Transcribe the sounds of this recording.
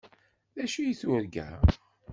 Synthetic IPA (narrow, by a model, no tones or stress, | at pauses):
ðæʃijiθʊɾɡæ̰